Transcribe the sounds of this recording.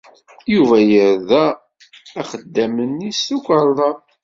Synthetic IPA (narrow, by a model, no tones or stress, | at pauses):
juvæjəɾðæː | χəd̪ːæmənːisukʷəɾˤðˤɑ